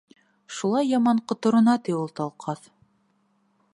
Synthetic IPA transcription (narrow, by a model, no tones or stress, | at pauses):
ʃulˠɑjːɑmɑɴqŏt̪ŏɾŏnɑt̪iolˠt̪ɑlˠqʰɑθ